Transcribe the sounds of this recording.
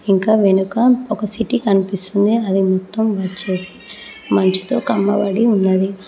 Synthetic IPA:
iŋkaːʋe̞nukɐɔkɐsiʈikɐnipist̪und̪iɐd̪imɔt̪ːɐmʋɐt͡ʃe̞ːsi̥ | mɐɲt͡ʃi̥t̪o̞̰ːkɐmːɐ̰ʋɐ̰ɽiunːɐd̪i

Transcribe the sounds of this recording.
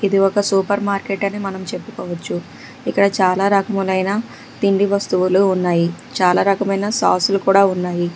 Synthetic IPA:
id̪iɔkɐsuːpɐɾmaːɾkeʈɐnimɐnɐmt͡ʃe̞pːukɔːʋɐt͡ʃːu | ikːɐɽɐt͡ʃaːlaːɾɐkɐmulɐjna | t̪iɳɖiʋɐst̪uʋuluːnːaːji | t͡ʃaːlaːɾɐkɐmɐjnɐsa̰ːsulukuːɽaːunːaːji

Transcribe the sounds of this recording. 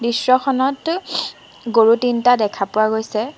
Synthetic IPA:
bisɹɔxʰɔnɔt | ɡoɹutintadɛkʰapʊwaɡojsɛ

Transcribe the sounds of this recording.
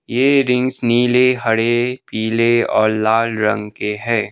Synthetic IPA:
jeːɾɪ̃ŋɡsniːleɦɐɽepiːleɔ̰ːɾlaːlɾɐ̰̃ŋɡkeɦɛː

